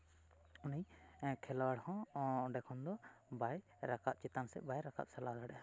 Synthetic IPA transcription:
unijkʰɛlawaɽhɔ̃ɔɖɛkʰɔnd̪ɔbaj | ɾakat̪̚t͡ʃɛt̪ansɛ̰ʔbajɾaka̰t̪̚sɛlad̪aɽɛa

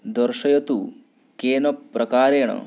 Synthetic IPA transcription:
d̪ɔɾʃɐjɐt̪u | keːnɐpːɾʔɐkaːɾeːɳɐ̰

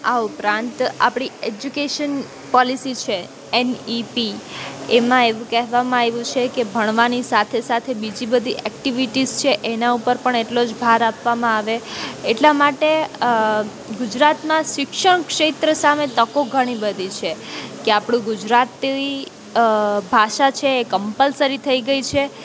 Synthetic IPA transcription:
aupɾãnt̪a̰pɽ̃ied͡ʒukeʃən | pɔlisit͡ʃʰe | enipiemãeʋũkɛɦʋamãeʋũt͡ʃʰekebʱəɳ̃ʋanisat̪ʰesat̪ʰebid͡ʒibəd̪ʱiʔɛkʈiʋiʈizt͡ʃʰeʔenaupəɾpəɳeʈlod͡ʒbʱaɾapʋamãaʋeːʈlamaʈe | ɡʊd͡ʒɾat̪mãʃɪkʃəɳ̃kʃet̪ɾəsamet̪əkoɡʱəɽ̃ibəd̪ʱit͡ʃʰekeapɽ̃ũɡud͡ʒɾat̪i | bʱaʃat͡ʃʰeːkəmpəlsəɾit̪ʰəiɡəit͡ʃʰe

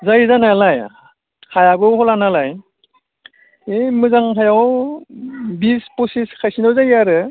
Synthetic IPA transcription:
zajzanalaj | kʰajabɯwhɔlanalaj | emɯzaŋkʰajaw | bispɔsiskʰajsinɯwzajaɾɯ

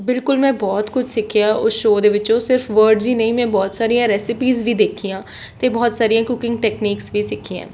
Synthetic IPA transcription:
bɪlkʊlmɛ̃ːbɔːt̪kʊt͡ʃʰsɪkʰɪjaːʔʊsʃoːd̪eːʋɪt͡ʃõːsɪɾfʋəːɾɖziːnəĩːmɛ̃ːbɔːt̪saːɾijãːɾɛːsɪpiːzʋiːd̪eːkʰijãː | t̪eːbɔːt̪saːɾijãːkʊkɪ̃ŋɡ̚ʈɛːkniːksʋiːsɪkʰːiã̰ː

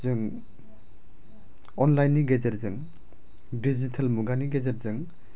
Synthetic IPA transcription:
zɯŋ | ɔnlajnːiɡed͡ʒetzɯŋ | dizitʰalmuɡaniɡezet̚zɯŋ

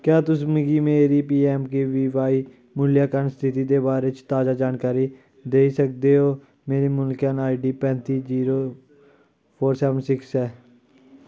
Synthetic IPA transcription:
kjaːt̪ʊsmɪɡiːmeːɾiːp̬iːɛːmkeːʋiːʋaːi | mʊljaːkəɾnst̪ʰɪt̪iːd̪eːbaːɾeːt͡ʃt̪aːzaːd͡ʒaːnkaːɾi | d̪eːisək̚d̪eːɦoː | meːɾeːmʊlkənaːiɖiːpɛ̃ːnt̪iːziːɾoː | pʰoːɾsɛːʋənsɪksɛː

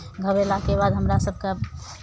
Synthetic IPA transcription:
ɡʱəbelakebaːd̪ɦəmɾasəb̚ʱka

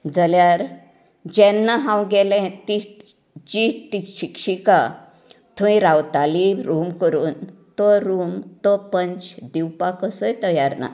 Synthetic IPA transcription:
d͡zəljaɾ | d͡ʑɛ̃nːaɦãwɡɛlɛ̃t̪i | d͡ʑit̪iɕikɕika | t̪ʰũĩɾawt̪aliɾumkəɾuːnt̪ɔɾumt̪ɔpəɲt͡ɕd̪iwpakəsəjt̪əjaɾna̰

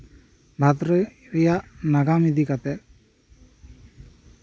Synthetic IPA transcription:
bʱat̪ɾə | ɾijaʔnaɡamid̪ʱikat̪ɛ

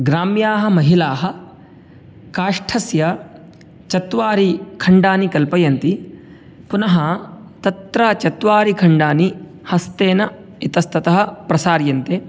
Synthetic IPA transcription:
ɡɾaːmjaːɦɐmɐɦilaːɦɐ | kaːʂʈʰɐsjɐ | t͡ʃɐt̪ʋaːɾikʰɐɳɖaːnikɐlpɐjɐnt̪i | punɐɦɐt̪ɐt̪ɾɐt͡ʃɐt̪ʋaːɾikʰɐɳɖaːni | hɐst̪eːnɐ | it̪ɐst̪ɐt̪ɐɦɐ̆pɾɐsaːɾjɐnt̪eː

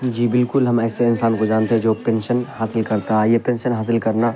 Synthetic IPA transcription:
d͡ʒiːbɪlkʊlɦɐmɛːseɪnsaːnkod͡ʒaːnt̪eɦɛ̃d͡ʒoːpẽːnʃənhaːsɪlkɐɾt̪aɦɛjepɛ̃ːnʃənɦaːs̬ɪlkɐɾna

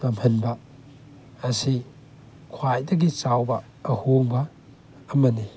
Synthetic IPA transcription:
nɐmhɐnbɐ | ɐsi | kʰwajdɐɡit͡ʃawbɐː | hoŋbɐː | mɐni

